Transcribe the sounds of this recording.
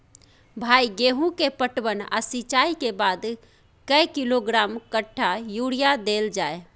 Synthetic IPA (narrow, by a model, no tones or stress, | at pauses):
bʱaiɡeɦũkepəʈbəna̰sit͡ʃaikebad̪ | kəjkiloɡɾamkəʈʰːajuɽijad̪eld͡ʒae